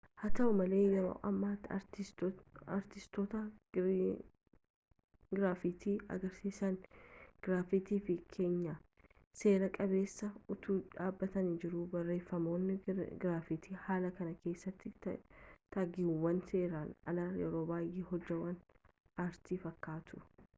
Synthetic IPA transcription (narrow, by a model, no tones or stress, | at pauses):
hɐt̪ɐʔʊmɐle̞ːjɛɾo̞̰ːʔɐmːaːt̪ɾɪ | ɾt̪ɪst̪ɔt̪ɐ | ɡɪɾaːfɪt̪ʰiːɐ̰ɡɐɾsiːsɐnɡ̥ɪɾaːfɪt̪iːfɪkʰe̞ːɲːa | se̞ːɾɐkʼɐbe̞ːsːɐʊt̪uːᶑaːbːɐt̪ɐnid͡ʒɪɾʊbɐrːe̞ːfːɐmo̞ːnːɪɡɾaːfɪt̪ʰiːhaːlɐkɐnɐke̞ːsːɐt̪ːɪ | t̪aːɡɪuwːɐnse̞ːɾaːnɐ̰lɐjɛ̰ɾo̞ːbaːjeːɦɔd͡ʒːɐwɐn | aːɾt̪iːfɐkːaːt̪ʊ̥